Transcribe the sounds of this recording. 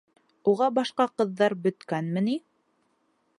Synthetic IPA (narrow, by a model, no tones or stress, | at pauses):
uʁɑbɑʃqɑqɤ̆ðːɑɾbɵ̆t̪kænmɘni